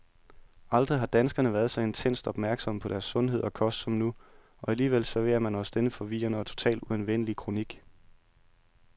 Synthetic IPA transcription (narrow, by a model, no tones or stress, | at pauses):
ɑ̈ld̥ʁiɦɑ̈d̥ænsɡ̥ɐnəʋæːɐð̞̩ˠsɑ̈ɪe̝nt͡sʰen̰sd̥ɒ̽b̥mæɐɡ̥sɒ̽məpʰɒ̽ɾ̥æɐsːɔ̽nɦe̝ð̞̰ˠɒ̽kʰɒ̽sd̥sɒ̽mnu | ɒ̽æliːʋel̰sæɐʋe̝ːɐmænɒ̽sd̥enəfɒ̽ʋḭːɐnəɒt͡sʰo̝̥t͡sʰɛ̰ːld̥uænʋen̰əlikʰʁo̝niɡ̥